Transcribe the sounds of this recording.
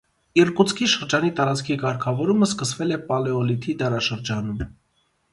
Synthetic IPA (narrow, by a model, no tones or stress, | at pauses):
irkut͡sʰkʰiʃəɾd͡ʒɑnit̪ɑɾɑt͡skʰikɑɾkʰɑvɔɾuməskəsvɛlɛpɑlɛɔlit̪ʰid̪ɛrɑʃəɾd͡ʒɑnum